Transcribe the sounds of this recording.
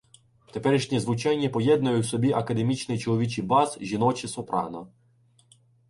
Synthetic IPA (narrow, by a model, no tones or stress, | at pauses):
t̪epɛɾʲiʃnʲizʋʊt͡ʃɛnʲːipɔjɛd̪nʊjʊwsɔbʲiʔɐkɐd̪emʲit͡ʃnɪt͡ʃɔlˠɔʋʲit͡ʃibɑzʒʲinɔt͡ʃɪsɔpɾɑ̰nɔ̰